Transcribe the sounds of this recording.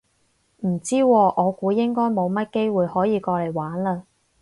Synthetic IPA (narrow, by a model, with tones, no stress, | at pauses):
m̩˨˩t͡siː˥wɔː˧ʔɔː˨˧kuː˨˧jɪ˥ŋkɔː˥jmo˨˧wmɐ˥t̚ke˥jwuː˨jhɔː˨˥jiː˨˧kɔː˧le˨˩jwaː˨˥nlɐː˧